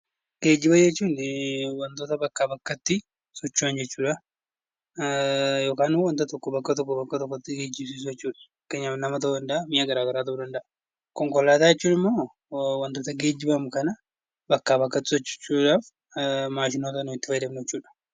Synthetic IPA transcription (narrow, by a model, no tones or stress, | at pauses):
ɡ̥e̞ːd͡ʒːɪbɐd͡ʒɛt͡ʃːuːnwɐnt̪oːt̪ɐbɐkːaːbɐkːɐt̪ːɪ | sɔt͡ʃːuɐnd͡ʒɛt͡ʃːuːᶑɐ | jo̞ːkaːnwɐnt̪ɐt̪ɔkːɔbɐkːɐt̪ɔkːɔbɐkːɐt̪ɔkːɔt̪ːɪɡeːd͡ʒɪbs̬iːs̬ʊjɛt͡ʃːuːᶑɐ̥ | keːɲːafnɐmɐt̪ɐwːd̪ɐnd̪ɐʔamɪjaɡɐɾaːɡɐɾaːt̪̬ɐd̪ɐnd̪ɐʔɐ | kɔŋkɔlːaːt̪aːjɛt͡ʃːuːnɪmːo̞ː | wɐnt̪o̞ːt̪ɐɡe̞ːd͡ʒːɪbɐmkɐnɐ | bɐkːaːbɐkːɐt̪ːɪ̥sɔt͡ʃːɪ̥t͡ʃːuᶑaːf | maːʃɪnoːt̪ɐnʊɪt̪ːɪ̥fɐjd̪ɐbnd͡ʒɛt͡ʃːuːᶑɐ̥